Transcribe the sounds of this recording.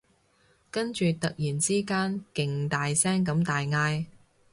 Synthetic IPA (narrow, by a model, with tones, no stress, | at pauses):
kɐ˥nt͡ʃyː˨t̪ɐ˨k̚jiː˨˩nt͡siː˥kaː˥nkɪ˨ŋt̪aː˨jsɛː˥ŋkɐ˨˥mt̪aː˨jŋaː˧j